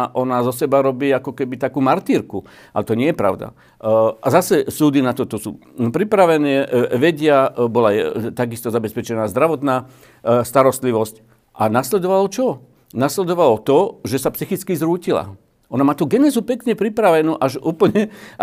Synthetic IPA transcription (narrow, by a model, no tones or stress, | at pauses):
ʔɔnaːzɔsɛbaɾɔbiːakɔkɛbit̪akuːmaɾt̪iɾku | ʔa̰lɛt̪ɔɲɪɛjɛpɾa̰ʊd̪a̰ | azasɛsuːd̪inat̪ɔt̪ɔsṵː | pɾipɾaʋɛnɛːʋɛɟɪabɔlaɛt̪aɡist̪ɔzabɛspɛt͡ʃɛnaːzd̪ɾaʋɔt̪naː | st̪aɾɔst̪liʋɔsc | ʔanaslɛd̪ɔʋalt͡ʃɔ | naslɛd̪ɔʋalɔt̪ɔʒɛsapsixit͡skizɾuːcila̰ | ʔɔnamaːt̪uːɡɛnɛzupɛkɲɛpɾipɾaʋɛnuːʔaʒuːpl̩ɲɛ